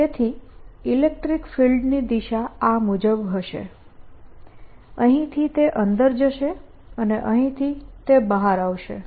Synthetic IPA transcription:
t̪et̪ʰiilek̚ʈɾikfilɖnid̪iʃaamud͡ʒəbɦəʃḛ | əɦĩt̪ʰit̪eʔənd̪əɾd͡ʒəʃe | əneʔəɦĩt̪ʰit̪ebəɦaɾaʋʃḛ

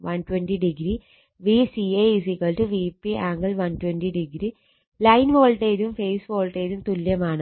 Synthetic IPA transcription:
ʋɐnʈwenʈiɖiɡɾi | ʋisieis̬ikɐlʈɨʋipːiaːŋɡɐlʋɐntwenʈiɖiɡɾi | lɐjnʋoːɭʈeːðumfejsʋoːɭʈeːðumt̪ulːjɐmaːɳɨ

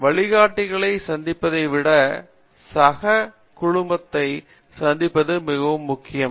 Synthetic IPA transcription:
ʋɐɭɪɣaːʈːɪɣɐɭɐɪsɐnd̪ɪpːɐðɐɪʋɪɽɐ | sɐɣɐ | kʊɻʊmbɐt̪ːɐɪ | sɐnd̪ɪpːɐðɯmɪɣɐʋɯmːʊkːɪjɐm

